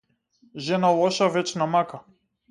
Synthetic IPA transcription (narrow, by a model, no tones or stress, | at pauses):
ʒɛnalˠɔʃavɛt͡ʃnamaka